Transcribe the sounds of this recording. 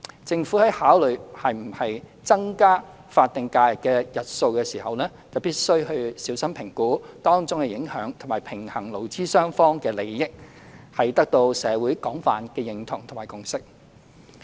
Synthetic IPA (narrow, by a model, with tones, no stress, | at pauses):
t͡sɪ˧ŋfu˨˥hɐ˨˥jhaː˨˥wlɵ˨ɥhɐ˨jm̩˨˩hɐ˨j | t͡sɐ˥ŋkaː˥ | faː˧t̚t̪ɪ˨ŋkaː˧jɐ˨˩kːɛː˧jɐ˨t̚so˧wkɛː˧siː˨˩hɐ˨wnɛː˥t͡sɐ˨wpiː˥t̚sɵ˥ɥhɵ˧ɥsiː˨˥wsɐ˥mpʰɪ˨˩ŋkuː˨˥t̪ɔː˥ŋt͡sʊ˥ŋkɛː˧jɪ˨˥ŋhœː˨˥ŋt̪ʰmaː˨˩jpʰɪ˨˩ŋhɐ˨˩ŋlo˨˩wt͡siː˥sœː˥ŋfɔː˥ŋkɛː˧le˨˩jːɪ˥k̚ | hɐ˨jt̪ɐ˥k̚t̪o˧wsɛː˨˧wu˨˥jkɔː˨˥ŋfaː˨nkɛː˧jɪ˨ŋt̪ʰʊ˨˩ŋt̪ʰmaː˨˩jkʊ˨ŋsɪ˥k̚